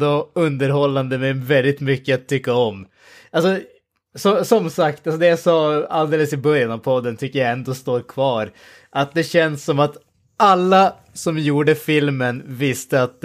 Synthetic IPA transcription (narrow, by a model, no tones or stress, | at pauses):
d̪oɵnd̪əɾɦɔlːand̪əmɛvɛld̪ɪt̪mʏkːəat̪ʰːʏkːaɔm | alsɔ | sɔsɔmsakt̪als̬ɔd̪ɛjasɑːald̪eːləsɪbœɾjanavpʰɔd̪ːənt̪ʰʏkːəjaɛnd̪oːst̪oːɾkʰvɑːɾ | ʔat̪̚d̪ɛɕɛnsːɔmat̪ | alːa | sɔmjuːɖəfɪlmənvɪst̪əat̪̚d̪